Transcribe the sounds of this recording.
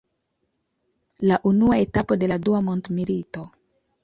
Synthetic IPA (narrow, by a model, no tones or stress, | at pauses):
laʔunuae̞tapo̞de̞laduamo̞ndmilito̞